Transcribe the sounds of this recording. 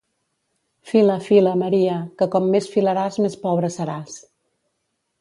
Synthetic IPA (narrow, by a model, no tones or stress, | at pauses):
filəfiləməɾiəkəkɔmːesfiləɾazmespɔβɾəsəɾas